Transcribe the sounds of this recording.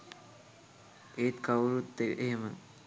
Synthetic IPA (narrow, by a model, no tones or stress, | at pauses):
eːt̪kawɾut̪ːeʔeɦemə